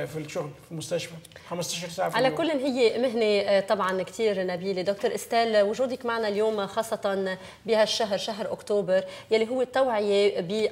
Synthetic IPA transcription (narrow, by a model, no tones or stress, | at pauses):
filʃʊɣlfilmʊst̪aʃfaxamst̪aʃɑɾˤsaːʕafʕalakʊlːʔɪnɦɪjːemɪɦnet̪ˤɑbʕɑnkt̪iːɾnabiːled̪ok̚t̪ʊɾʔɪst̪aːlwʊʒuːd̪ɪkmaʕnaljoːmxɑːsˤːɑt̪ɑn | bɪhaʃːaɦɾʃaɦɾʔʊkt̪oːbɪɾjalːiɦʊwːet̪ːawʕɪjebɪ